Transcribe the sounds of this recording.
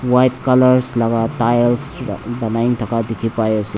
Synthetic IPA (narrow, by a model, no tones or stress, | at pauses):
wajtkalaɹslaɡatajlsbanajiŋtʰakadikʰipajəsi